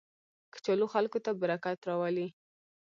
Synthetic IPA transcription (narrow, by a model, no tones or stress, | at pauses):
kə̥t͡ʃaloxalkot̪abaɾakat̪ɾɑwali